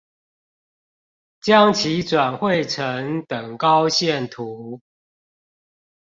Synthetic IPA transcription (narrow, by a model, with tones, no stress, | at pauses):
t͡ɕjɑ˦ŋt͡ɕʰi˨˦t͡swa˨˩nxwe˥˨ɪʈ͡ʂʰə˨˦ŋt̪ə˨˩ŋkɑ˦ʊɕjɛ˥˨nt̪ʰu˨˦